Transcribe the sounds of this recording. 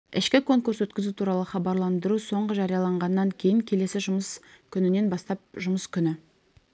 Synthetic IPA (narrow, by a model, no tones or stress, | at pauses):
ɪʃkʲɪkʰo̞ŋkuɾswɵt̪kʲɪzut̪ʰuɾɑlˠəχɑbɑɾlˠɑnd̪əɾuso̞ɴʁəʒɑɾijɑlˠɑɴʁɑnːɑŋkʲʰe̞jɪŋkʲʰe̞le̞sɪʒʊməskʲʰʏnɪne̞nbɑst̪ɑp̚ʒʊməskʲʰʏnɪ